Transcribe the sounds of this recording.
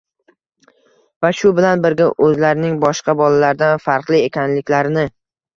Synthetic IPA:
vaʃʊbɪlanbɪɾɡʲaʔɵzlaɾɪnɪŋbɒʃqʰɑbɒlalaɾd̪anfaɾqlˠɪekʲanlɪkʲlaɾɪnɪ

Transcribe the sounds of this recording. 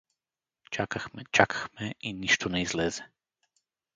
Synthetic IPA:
t͡ʃakaxmɛt͡ʃakʰḁxmɛiniʃt̪ɔnɛizlɛːzɛ

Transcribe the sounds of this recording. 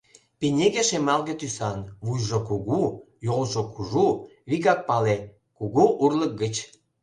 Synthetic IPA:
penʲeɣeʃemɑlɣĕt̪ysɑnβujʒokuɣu | jolʒokʰuʒuβikɑk̚pɑle | kuɣuʔurlək̚ɡə̆t͡ɕ

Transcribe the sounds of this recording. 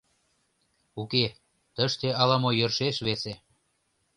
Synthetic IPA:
uke | t̪ə̆ʃt̪eʔɑlɑmojørʃeʃβese

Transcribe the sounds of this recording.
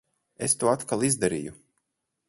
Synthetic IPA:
est̪uɔat̪kalˠizd̪aɾḭːju

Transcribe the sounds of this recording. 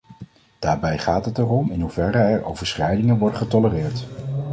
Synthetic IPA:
d̥aːɹbɛjχaːtɦətɛrɔmɪnɦuvɛɾəɛɹʔo̰wvəɹsχɛjdɪŋənʋɔɹdəχətɔlərɪːɹt

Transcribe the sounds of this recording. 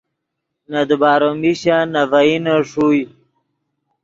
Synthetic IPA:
nad̪ubaːɾomiɕanavainaʂuj

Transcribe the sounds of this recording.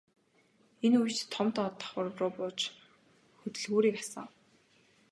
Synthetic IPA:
enujt͡ɕt̪ʰːɔmt̪ɔt̪ḁχwʊrwrʊːpʊːt͡ɕ | xɵt̪ɵ̆ɮɣuːɾiːkasə̰̆ŋ

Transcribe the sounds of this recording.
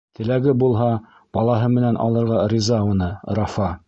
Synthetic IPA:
t̪ɘ̆læɡɘbulˠɦɑ | b̥ɑlˠɑɦɤmɘ̆nænʔɑ̰lˠɤ̆ɾʁɑɾʲizɑunɤɾɑfɑ

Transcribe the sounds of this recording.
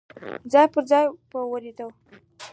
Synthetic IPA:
d͡zɑjpəɾd͡zɑjpəwəɾid̪əw

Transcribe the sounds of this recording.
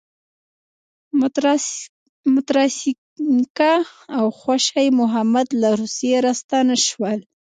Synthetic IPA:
mʊt̪ɾɑs | kaːwxwaʃajmʊɦamad̪laɾusijeɾast̪anaʃwəl

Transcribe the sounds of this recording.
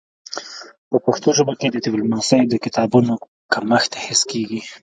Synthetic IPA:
pəpaxt̪oʒəboked̪əd̪ɪwlmɑsəjd̪əkɪt̪ɑbuno | kaməxt̪e̥hɪskeɡi

